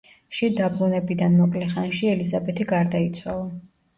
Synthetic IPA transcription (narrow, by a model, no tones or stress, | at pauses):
ʃid̪abɾunɛbid̪anmɔkʼlɛχanʃiɛlizabɛt̪ʰiɡaɾd̪ait̪sʰwalˠa